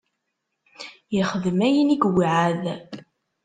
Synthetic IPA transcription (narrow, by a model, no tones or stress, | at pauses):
jəχəðəmæjəniɡwiʕað